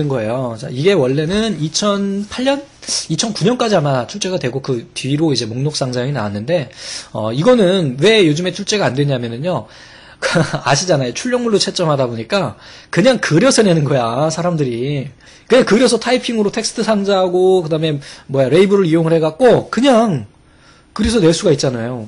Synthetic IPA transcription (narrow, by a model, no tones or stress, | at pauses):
ɯnɡʌe̞jot͡ɕa̰iɡe̞wʌɭːe̞nɯnit͡ɕʰʌnpʰaʎːʌn | it͡ɕʰʌnkuɲʌnk͈ad͡ʑiɦamat͡ɕʰuɭt͡ɕ͈e̞ɡadwe̞ɡokɯtɥiɾoid͡ʑe̞moŋnok̚s͈aŋd͡ʑʰajŋina̰wanːɯnde̞ʌ̰iɡʌnɯnwe̞jod͡ʑɯme̞t͡ɕʰuɭt͡ɕ͈e̞ɡaːndwe̞ɲamjʌnɯɲjo | kaɕʰid͡ʑanajot͡ɕʰuɭʎːjʌŋmuɭːot͡ɕʰet͡ɕ͈ʌmɦadaboɲik͈a | kɯɲaŋkɯɾjʌsʰenenɯnɡʌjasʰaɾamdɯɾi | kɯɲaŋkɯɾjʌs̬ʰʌtʰaipʰiŋɯɾotʰe̞k̚s͈ʰɯ̥tʰɯsʰaŋd͡ʑaɦaɡokɯdame̞mwʌjaɾe̞ibɯɾɯɾijoŋɯɭhe̞ɡak̚k͈okɯɲaŋ | kɯɾesʰʌnwe̞ɭs͈uɡait̚t͡ɕ͈anajo